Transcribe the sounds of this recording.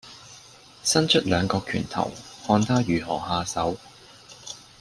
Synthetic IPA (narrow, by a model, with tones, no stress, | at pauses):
sɐ˥nt͡ʃʰɵ˥t̚lœː˨˧ŋkɔː˧kʰyː˨˩nt̪ʰɐ̰˨˩whɔː˧nt̪ʰaː˥jyː˨ɦɔː˨˩haː˧sɐ˨˥w